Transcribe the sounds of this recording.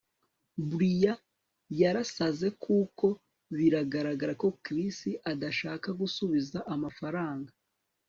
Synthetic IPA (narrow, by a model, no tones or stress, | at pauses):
buɾija | jaɾasaze̞kʰuːko̞ | βiɾaɡaɾaɡaɾako̞kɾistiʔadaʃaːkaɡusuβizaʔamafaɾaːŋɡa